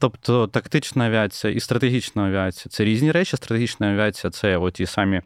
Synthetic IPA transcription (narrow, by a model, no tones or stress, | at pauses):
t̪opt̪ɔt̪ɐkt̪ɪt͡ʃnɐɐʋʲɪat͡sʲɪjɐʔist̪ɾɐt̪eɦʲit͡ʃnɐɐʋʲɪat͡sʲijɐt̪sɛɾʲizʲnʲiɾɛt͡ʃɪst̪ɾɐt̪eɦit͡ʃnɐɐʋʲɪat͡sʲijɐt̪sɛot̪ʲisɑmʲi